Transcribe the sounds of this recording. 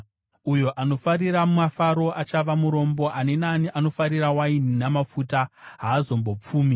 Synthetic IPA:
ujo̞ʔano̞faɾiɾammafaɾo̞ʔat͡ʃaʋamuɾo̞mbo̞ʔane̞naniʔano̞faɾirawaininamafutaɦaːzo̞mbo̞p͡fuːmi

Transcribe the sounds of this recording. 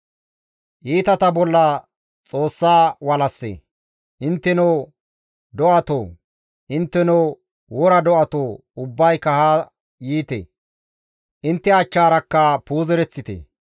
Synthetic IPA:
ʔiːt̪ɐt̪ɐbɔlːɐ | t͡sʼo̞ːsːaːwɐlɐsːḛ | ʔɪnt̪ːɛnoː | d̪ɔʔɐt̪oː | ʔɪnt̪ːɛnoː | wɔɾɐd̪ɔʔɐt̪oː | ʊbːɐjkɐhaː | jiːt̪ḛ | ʔɪnt̪ːɛɐt͡ʃːaːɾɐkːɐpuːzɛɾɛt͡sːɪt̪ḛ

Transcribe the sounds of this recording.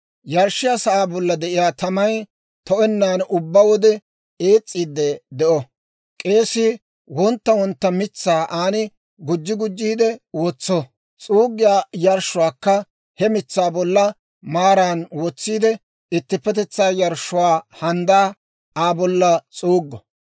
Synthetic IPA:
jɐɾʃɪjaːsɐʔaːbɔlːɐd̪ɛʔɪjaːt̪ɐmɐj | t̪ɔʔɛnːaːnʊbːawɔd̪ɛ | eːt͡sʼːiːd̪ːɛd̪ɛʔɔ | kʼe̞ːsɪ | wɔnt̪ːɐwɔnt̪ːɐmɪt͡sːaːʔaːnɪ | ɡʊd͡ʒːɪɡʊd͡ʒːiːd̪ɛwɔt͡sːɔ | t͡sʼuːɡːɪjaːjɐɾʃʊwaːkːɐ | hɛmɪt͡sːaːbɔlːɐ | maːɾaːnwɔt͡sːiːd̪ɛ | ɪt̪ːɪpːɛt̪ɛt͡sːaːjɐɾʃːʊwaːhɐnd̪aː | aːbɔlːɐt͡sʼuːɡːɔ

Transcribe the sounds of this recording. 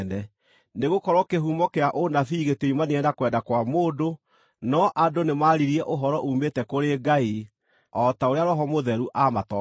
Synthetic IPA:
nɛ | neɣokɔɾɔkeɦumɔkeaʔonafiːɣeteimaneɛdakwɛdakwamoːdo | nɔʔadonemaɾiɾiɛʔoɦɔɾɔʔuːmetɛkoɾeɡai | ɔtaoɾeaɾɔɦɔmoðɛɾuʔamatɔ

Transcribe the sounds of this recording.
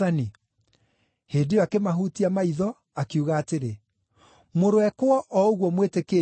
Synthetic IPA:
ani | heːndeɔakemaɦutiamaiðɔ | akiuɣaːteɾe | moɾoɛkwɔʔɔoɣwɔmwetekeː

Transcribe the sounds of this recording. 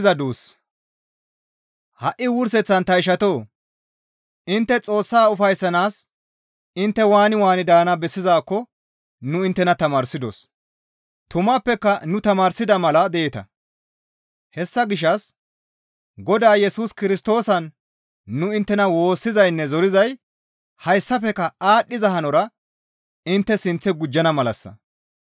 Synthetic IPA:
zɐd̪uːs | hɐʔɪwʊɾs̬ɛt͡sːɐnt̪ɐɪʃ̬ɐt̪o̞ː | ɪnt̪ːɛt͡sʼo̞ːsːaːʊfɐjsːɐnaːs | ɪnt̪ːɛwaːnɪwaːnɪd̪aːnɐbɛsːɪzaːkːɔ | nʊɪnt̪ːɛnɐt̪ɐmaːɾsɪd̪o̰s | t̪ʊmapːɛkːɐnʊt̪ɐmaːɾsɪd̪ɐmɐlɐd̪ɛɛt̪ɐ̰ | hɛsːɐɡɪʃ̬ːɐs | ɡɔd̪aːjɛsuːskɪɾɪst̪o̞ːsɐnː | ʊɪnt̪ːɛnɐwo̞ːsːɪzɐjnːɛzɔɾɪzɐj | hɐjsːɐfɛkːɐaːɗːɪzɐɦɐnɔɾɐ | ɪnt̪ːɛsɪnt͡sːɛɡʊd͡ʒːɐnɐmɐlɐsːɐ̰

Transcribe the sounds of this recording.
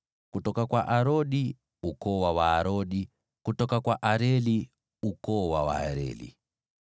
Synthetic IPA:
kutɔkakwaʔaɾoɗi | ukɔwawaːɾoɗi | kutɔkakwaʔaɾeli | ukɔwawa̰aɾḛːlḭ

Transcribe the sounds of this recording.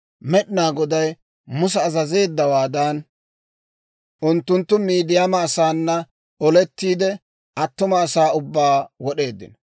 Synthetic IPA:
mɛɗɪnaːɡɔd̪ɐj | mʊs̬ɛːzɐze̞ːd̪ːɐwaːd̪ɐn | ʔʊnt̪ːʊnt̪ːʊmiːd̪ɪjamɐːsaːnːɐ | ɔlɛt̪ːiːd̪ɛ | ʔɐt̪ːʊmɐːsaːʊbːaːwɔɗe̞ːd̪ːɪ̰nɔ

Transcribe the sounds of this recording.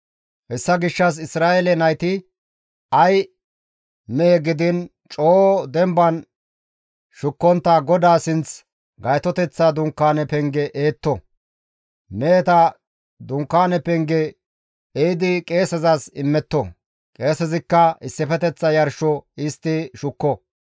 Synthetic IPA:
hɛsːɐɡɪʃːɐs̬ɪsɾaːʔelɛnɐjt̪ɪ | ɐj | mɛɛɡɪd̪ɪn | t͡ʃʼoːd̪ɛmbɐn | ʃʊkːɔnt̪ːaɡɔd̪aːsɪnt͡s | ɡɐjt̪ɔt̪ɛt͡sːad̪ʊŋkːaːnɛpɛŋɡɛʔeːt̪ːɔ | meːt̪ɐ | d̪ʊŋkːaːnɛpɛŋɡɛ | ejd̪ɪkʼe̞ːsɛzɐsɪmːɛt̪ːɔ̰ | kʼe̞ːsɛzɪkːɐɪsːɪfɛt̪ɛt͡sːɐjɐɾʃɔɪst̪ːɪʃʊkːɔ

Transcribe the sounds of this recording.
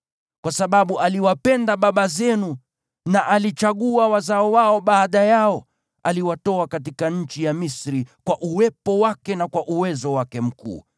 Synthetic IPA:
kwasaɓaɓuʔaliwapɛndaɓaɓazɛnu | naʔalit͡ʃaɠuawazaɔwaɔɓaːɗajaɔ | aliwatɔakatikaɲ̩t͡ʃijamisɾikwaʔuwɛpɔwakɛnakwaʔuwɛzɔwakɛm̩kṵː

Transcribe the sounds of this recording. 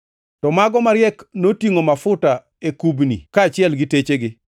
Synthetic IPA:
tɔmaɡɔmaɾjɛknotiŋomafʊta | ekubnḭkaːt͡ʃɪɛlɡɪtet͡ʃeɡɪ

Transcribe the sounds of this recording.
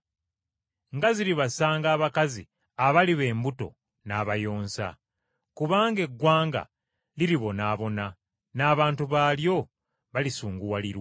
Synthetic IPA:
ŋɡaziɾiβasaːŋɡaːβakazḭ | aβaliβe̞ːmbuto̞̰ | naːβajo̞ːnsa̰ | kuβaːŋɡe̞ɡːwaːŋɡa̰ | liɾiβo̞naːβo̞na | naːβaːntuβaljo̞ | βalisuːŋɡuwaliɾwa

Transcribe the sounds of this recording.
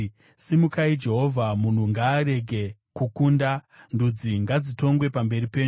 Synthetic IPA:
simukaid͡ʒe̞ɦo̞vʱamun̤uŋɡaːɾe̞ɡʱe̞kukuːndandud͡ziŋɡad͡zito̞ŋɡwe̞pambe̞ɾipe̞ːɲu

